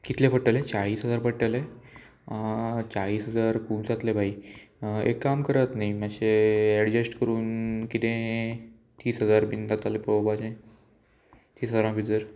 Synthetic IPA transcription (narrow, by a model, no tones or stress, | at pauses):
kit̪ʰlepəʈːəlet͡ɕaɭiːsɦəd͡zaɾpəɽʈəle | t͡ɕaɭiːsɦəd͡zaɾkuːmd͡zat̪lebʱai | ḛkːamkəɾat̪naimaɕeɛɽd͡ʑesʈkəɾuːnkit̪ẽ | t̪iːsɦəd͡zaɾbind̪at̪alepɾobʱad͡ʑãj | t̪iːsɦəd͡zaɾãbʱid̪əɾ